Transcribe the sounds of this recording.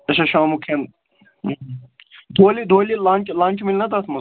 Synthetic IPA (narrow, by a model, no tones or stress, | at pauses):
ɐʃɐʃaːmukʰen | d̪ʱoːlid̪ʱoːlilaːnt͡ʃlãːnʲt͡ʃmilʲnɐt̪at̪mɐ